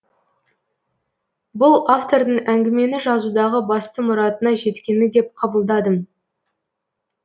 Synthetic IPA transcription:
bʊlˠaft̪o̞ɾd̪əɴæŋɡʲɪme̞nɪʒɑzud̪ɑʁəbɑst̪əmʊɾɑt̪ənɑʒe̞t̪kʲe̞nɪd̪e̞p̚qʰɑbəlˠd̪ɑd̪əm

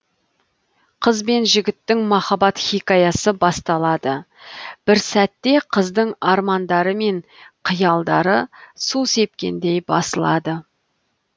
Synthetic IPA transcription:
qʰəzbe̞nʒɪɡʲɪt̪ːɪŋmɑχɑbɑt̪χikɑjɑsəbɑst̪ɑlˠɑd̪ə | b̥ɪɾsæt̪ːe̞qʰəzd̪əɴɑɾmɑnd̪ɑɾəme̞ɴqʰəjɑlˠd̪ɑɾəsuse̞p̚kʲe̞̰nd̪e̞jbɑ̰səlˠɑd̪ə

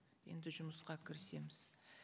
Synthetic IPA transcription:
je̞̰nd̪ɪʒʊməsqɑkʲʰɪɾɪse̞mɪz̥

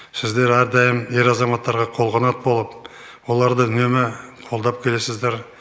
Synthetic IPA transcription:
sɪzd̪e̞ɾæɾd̪ɑjəmje̞ɾɑzɑmɑt̪ːɑɾʁɑqʰo̞lˠʁɑnɑt̪bo̞lˠəp̚ | wo̞lˠɑɾd̪əʏne̞mɪqʰo̞lˠd̪ɑp̚kʲʰe̞le̞sɪzd̪eɾ

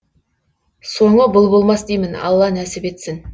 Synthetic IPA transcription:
soɴəbʊlˠbolˠmɑsd̪ejmɪnɑ̰lˠːɑnæsɪpe̞t̪sɪn

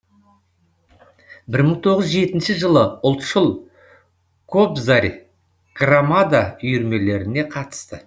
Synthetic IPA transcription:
bɪɾməɴt̪ʰo̞ʁəzʒe̞t̪ɪnʃɪʒəlˠəʊlˠt̪ʃʊlˠ | kʰobzaɾʲ | ɡ̥ramad̪aʏjʏɾme̞le̞ɾɪne̞qʰɑt̪ə̥st̪ə

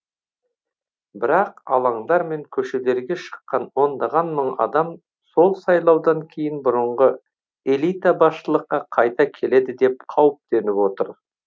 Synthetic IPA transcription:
bɪɾɑqɑlˠɑɴd̪ɑɾme̞ŋkʲʰɵʃe̞le̞ɾɡʲe̞ʃə̥qːɑnwo̞nd̪ɑʁɑnməɴɑ̰d̪ɑm | so̞lˠsɑjlˠɑwd̪ɑŋkʲʰe̞jɪnbʊɾəɴʁə | e̞lˠijt̪abɑsʃəlˠəqːɑqʰɑjt̪ɑkʲʰe̞le̞d̪ɪd̪e̞p̚qʰɑwəp̚t̪e̞nɪpwo̞t̪əɾ

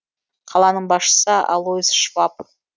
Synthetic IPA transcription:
qʰɑlˠɑnəɴbɑsʃə̥səɑ̰lˠoisʃvɑp

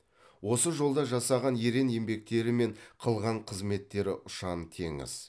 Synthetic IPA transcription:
wo̞səʒo̞lˠd̪ɑʒɑsɑʁɑnje̞ɾe̞nje̞mbe̞k̚t̪e̞ɾɪme̞ɴqʰəlˠʁɑɴqʰəzme̞t̪ːe̞ɾɪʔʊʃɑnt̪ʰe̞ŋɪ̰z̥

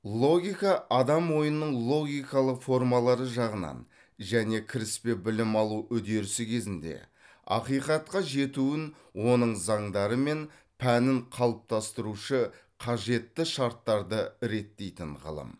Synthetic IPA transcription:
lˠo̞ɡʲijkɑʔɑd̪ɑmwo̞jənːəɴlˠo̞ɡʲijkɑlˠəqfo̞rmɑlˠɑɾəʒɑʁənɑ̰n | ʒæne̞kʲʰɪɾɪspe̞bɪlɪmɑlˠuʔʏd̪e̞ɾɪsɪkʲʰe̞zɪnd̪e̞̰ | ɑ̰qijqɑt̪̚qɑʒe̞t̪uwɪn | wo̞nəɴzɑɴd̪ɑɾəme̞n | pʰænɪɴqʰɑlˠəp̚t̪ʰɑst̪əɾuʃə | qʰɑʒe̞t̪ːɪʃɑɾt̪ːɑɾd̪əɾe̞t̪ːe̞jt̪ɪɴʁə̰lˠə̰m

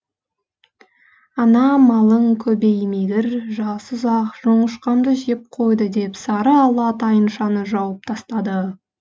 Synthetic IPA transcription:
ɑnɑmɑlˠəŋkʲʰɵbejmejɡ̪ɪɾʒɑsəzɑqʒ̥oɴəʃqɑmd̪əʒep̚qʰo̞jd̪əd̪e̞psɑɾəɑlˠɑt̪ʰɑjənʃɑnəʒɑwəp̚t̪ʰɑst̪ɑd̪ə

